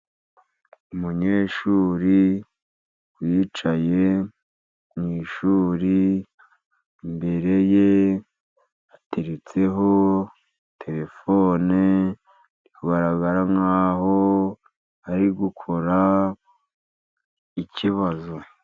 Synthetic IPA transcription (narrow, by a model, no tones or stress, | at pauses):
umuɲeːʃuːɾi | ɡwiːt͡ʃaje | mŋiːʃuːɾi | mbe̞ɾe̞je | ateɾet͡se̞ɦo̞ | tʰe̞ɾe̞fo̞ːne | ikuɡaɾaɡaɾaŋaːho̞ | aɾiɡukʰo̞ɾa | iciβazo